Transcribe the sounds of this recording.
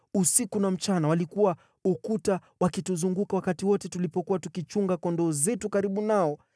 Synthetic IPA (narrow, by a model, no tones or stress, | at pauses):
usikunam̩t͡ʃanawalikuwa | ukutawakituzuŋɡukawakatiwɔtɛtulipɔkuwatukit͡ʃuŋɡakɔndɔzɛtukaɾiɓunaɔ